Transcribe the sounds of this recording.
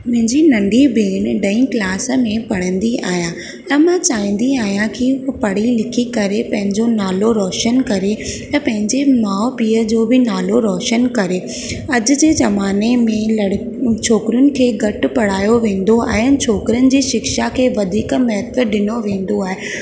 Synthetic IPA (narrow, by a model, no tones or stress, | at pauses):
mʊ̃ɦɪ̃ɲd͡ʑinɐ̃ɳɖʱibeːnɖɐ̃ĩklaːs̆mẽpɐɽ̤̃ə̃nd̪ia̰ːɦijã | ɐmãt͡ɕaːĩːn̆d̪iaːɦijãkipɐɽ̤ilɪkʰikɐɾepɐ̃ɦɪ̃ɲd͡ʑonaːloɾɔːʃənkɐɾet̪ɐ̃pɐ̃ɦɪ̃ɲd͡ʑemaːʊpiːəd͡ʑoːbɪnaːloɾɔːʃənkɐɾe | ɐd͡ʑʊ̆d͡ʑeːzɐmaːnemẽlɐɽ | t͡ɕʰoːkɪɾʊnɪ̆kʰeːɡɐʈʊ̆pɐɽ̤aːjoʋẽːn̆d̪oa̰ːɦeənɪ̆t͡ɕʰoːkɪɾənɪ̆d͡ʑiːʃɪkʃakʰeːʋɐd̪ʱiːkmɛɦt̪ʰəɗɪnoʋẽːn̆d̪oaːɦe